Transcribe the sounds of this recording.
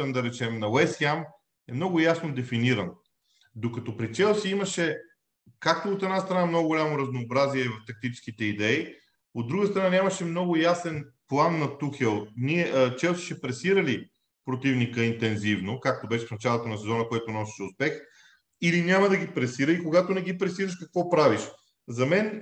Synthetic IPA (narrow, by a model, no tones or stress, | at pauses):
ənd̪ɐɾɛt͡ʃɛmnɐwɛsjam | ɛmnɔɡʊjasnod̪ɛfiniɾɐn | d̪okɐt̪ɔpɾit͡ʃɛlˠsiiməʃɛ | kak̚t̪oːt̪ɛd̪nast̪ɾɐnamnoɡʊɡʊlʲamoɾɐznoːbɾaziɛvɐft̪ɐk̚t̪it͡ʃɛ̥sk̟it̪ɛid̪ɛi | od̪ːɾuɡəst̪ɾɐnanʲamɐʃɛmnɔɡʊjasɛnplˠanːɐt̪uxɛlˠnʲiɛt͡ʃɛlˠsi̥ʃɛpɾɛsiɾəli | pɾot̪ivnikəint̪ɛnzivnokak̚t̪obɛʃɛfnɐt͡ʃalˠot̪ɐnɐsɛzɔnəkoɛt̪onɔsi̥ʃɛʊspɛx | ilinʲamɐd̪ɐɡipɾɛsiɾəikoɡat̪onɛɡ̟ipɾɛsiɾɐʃkɐkvɔpɾaviʃ | zɐmɛn